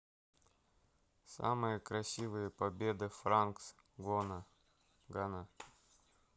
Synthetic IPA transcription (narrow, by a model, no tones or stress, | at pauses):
sa̰mɨjəkɾɐsʲivɨjəpɐbʲed̪ɨfɾanks | ɡonə | ɡana